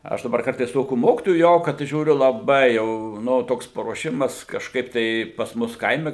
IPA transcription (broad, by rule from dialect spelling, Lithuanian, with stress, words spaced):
ˈɐʃ dɐˈbɐr ˈkɐrtɐɪs ˈtoːkʲuː ˈmoːkʲɪtoːjuː ˈjɛʊ kɐt ʒʲuːˈrʲʊ lˠɐˈbɐɪ ˈjɛʊ ˈnʊ ˈtoːks pɐruɔˈʃʲɪmɐs kɐʃˈkɐɪp tɐɪ pɐs ˈmʊs ˈkɐɪmʲɛ